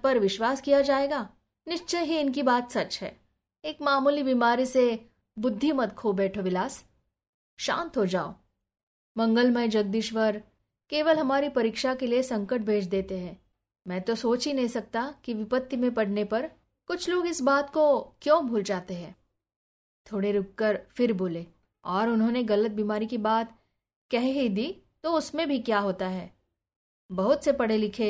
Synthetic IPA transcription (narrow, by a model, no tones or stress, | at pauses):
pɐɾʋɪʃwaːskijad͡ʒaːeːɡaː | nɪʃt͡ʃəɦiɪnk̬ibaːt̪sɐt͡ʃɦɛ̰ː | eːkmaːmuːlibiːmaːɾise | bʊd̪ʱːimɐt̪kʰoːbɛːʈʰoʋɪlaːs | ʃã̰ːnt̪ɦod͡ʒaːo̰ː | mɐ̃ŋɡəlmə̃jd͡ʒɐɡ̚d̪iːʃʋəɾ | keːʋəlɦɐmaːɾipɐɾiːkʃakeliesɐ̃ŋkəʈ̚bʱeːt͡ʃʰd̪eːt̪eɦɛ̃ː | mɛ̃ːt̪osoːt͡ʃɦinɐɦĩsɐk̚t̪akiʋɪpət̪ːimẽpɐɽ̤nepɐɾ | kʊt͡ʃʰloːɡɪsbaːt̪kokjõːbʱuːld͡ʒaːt̪eɦɛ̃ː | t̪ʰoːɽeɾʊkːəɾfɪɾboːleː | ɔːɾʊnɦõːneɣɐlət̪̚biːmaːɾikibaːt̪ | kɛɦɦid̪iːt̪oʊsmẽbʱikjaːɦoːt̪aɦɛː | bɐɦʊt̪sepɐɽ̤elɪkʰeː